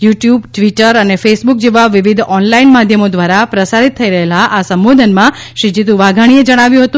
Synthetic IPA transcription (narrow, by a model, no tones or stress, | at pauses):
juʈjubʈʋiʈəɾənefesbuk̚d͡ʒeʋaʋiʋid̪ʱɔnlainmad̪ʱjəmod̪ʋaɾapɾəsaɾit̪ʰːəiɾəɦelaʔasəmʋod̪ʱənmã | ʃid͡ʒit̪ũʋaɡʱaɽ̃ied͡ʒəɽ̃aʋjũɦət̪ũ